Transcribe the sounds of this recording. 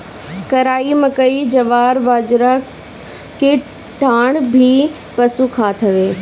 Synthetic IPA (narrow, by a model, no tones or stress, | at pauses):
kɐɾaːimɐ̃kɐid͡ʑɐʋaːɾʋaːd͡ʑɾa | keː | ʈaːɽ̃bʱi | pɐsukʰaːt̪ʰɐʋeː